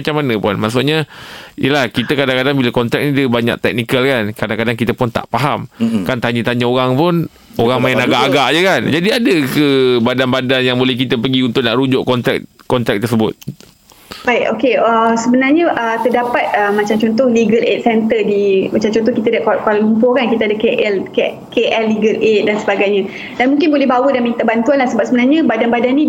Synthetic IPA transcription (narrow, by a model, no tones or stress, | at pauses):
mat͡ʃamːanə̃pʊnmaʔsʊʔɲajʔəlahkit̪əkadaŋkadaŋbilakɔnt̪ɾɛ̰k̚nĩdəbaɲa̰ʔ̚t̪ɛk̚nikəlkankadaŋkadaŋkit̪əpʊnt̪a̰ʔpaɦamkant̪aɲət̪aɲaoɾaŋpʊn | oɾaŋmaɪnaɡaʔaɡaʔd͡ʒəkand͡ʒadiadəkəbadanbadanjaŋbolɛhkit̪əpəɡiunt̪ʊʔ̚naʔɾud͡ʒʊʔkɔnt̪ɾɛk̚kɔnt̪ɾɛk̚t̪əsəbʊt̪̚ | baiʔo̰keəsəbənarɲə̃ʔət̪ədapat̪̚əmːat͡ʃamt͡ʃɔnt̪̬ɔhliɡəlḛt̪̚sɛnt̪ədimat͡ʃamt͡ʃɔnt̪ɔhkit̪adaʔkakallumpɔkankit̪adəkeʔɛlke | keʔɛlːiɡəlʔet̪̚dansəbaɡajɲə̃ | danmũŋkɪnbolɛhɦbawədanmĩŋit̪abant̪uanlahsəbap̚səbənarɲəbadanbadanːi